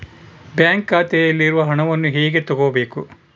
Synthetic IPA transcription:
bjaːŋkːaːt̪ɛjɐlːiɾuʋɐɦɐɳɐʋɐnːuɦeːɡe̞t̪ɔɡoːɐbe̞ːku

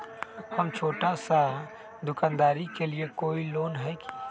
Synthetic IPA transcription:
hɐmt͡ʃʰoːʈasa | d̪ʊkãːnd̪aːɾikeliekoːiloːnɦɛki̥

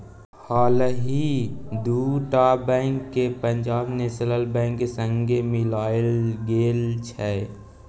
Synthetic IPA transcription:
haːlɦid̪uːʈabɛ̃ːŋkːepə̃ɲd͡ʒaːbnesələlbɛ̃ːŋkːesə̃ŋɡemɪlaːlɡeːlt͡ʃʰɛː

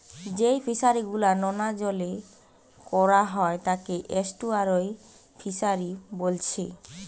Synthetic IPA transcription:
d͡ʑejfʰiʃaɾiɡulanɔnad͡ʑɔle | kɔɾaɦɔet̪akeʔesʈuaɾoj | fʰiʃaɾibolt͡ɕʰḛ

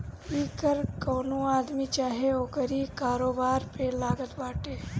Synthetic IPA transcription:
iːkəɾkoːnuaːd̪mit͡ʃaːɦeoːkəɾikaːɾoːbaːɾpelaːɡət̪baːʈeː

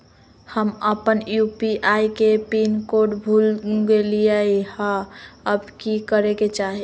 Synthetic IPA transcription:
həməpənjupiʔaikepinkoɖbʱulɡeliəihãəbkikəɾeket͡ʃaɦi

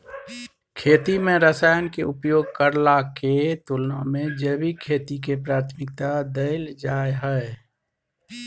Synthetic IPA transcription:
kʰeːt̪imẽɾəsaːjənkeʊpjoːɡkəɾlaket̪ulnamẽd͡ʒəbikʰeːt̪ikepɾaːɾt̪ʰmɪk̚t̪ad̪əɪld͡ʒaːeɦəe

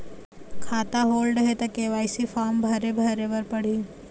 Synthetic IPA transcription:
kʰaːt̪aɦoːlɖɦet̪ɐkeʋaːɪsifaːɾmbʱɐɾebʱɐɾebɐɾpɐɽ̤iː

